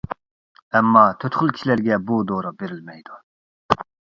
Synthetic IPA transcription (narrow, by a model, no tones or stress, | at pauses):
ɛmːɑːt̪ʰøt̪χʊlˠkʲʰi̥ʃlæɾɡʲɛbud̪oɾɑbeɾɪlmɛjd̪u